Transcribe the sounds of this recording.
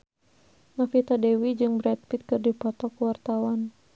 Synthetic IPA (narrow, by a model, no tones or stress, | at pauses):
nafit̪adɛwid͡ʒɨŋbɾɛt̪̚pit̪̚kɨrdipɔt̪ɔkuwart̪awan